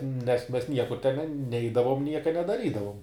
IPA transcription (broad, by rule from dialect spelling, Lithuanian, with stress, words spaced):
nʲɛs mʲɛs ˈnʲiɛkʊr tʲɛn ˈnʲɛɪdɐʋoːm ˈnʲiɛkɐ nʲɛdɐˈrʲiːdɐʋʊm